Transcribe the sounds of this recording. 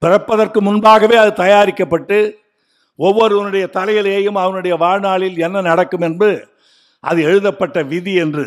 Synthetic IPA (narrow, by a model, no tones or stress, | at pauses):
pɪrɐpːɐðɐrkɯmʊnbaːɣɐʋeːɐðɯt̪ɐjaːɾɪkːɐpːɐʈːɯ | ɔʋːɔɾɯɐnɯɽɐjɐt̪ɐlɐjɐleːjɯmɐʋɐnɯɽɐjɐʋaːɻnaːɭɪlɛnːɐnɐɽɐkːɯmɛnbɯ | ʔɐ̰ðɯɛɻɯðɐpːɐʈːɐʋɪðiɛndrɯ